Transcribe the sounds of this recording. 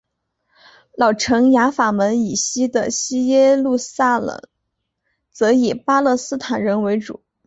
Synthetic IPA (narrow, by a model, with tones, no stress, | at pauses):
lɑ˨˩ʊʈ͡ʂʰɤ˧˥ŋja˧˥fa˨˩mə˧˥ni˨˩ɕi˥d̪ə̰˨ɕi˥jɛ˥lu˥˧sa˥˩lə̰˨˩˦ŋ | t͡sɤ˧˥i˨˩pa˥lɤ˥˧sɹ̩˥t̪ʰa˨˩nɻə˧˥nwe˧˥ɪʈ͡ʂṵ˨˩˦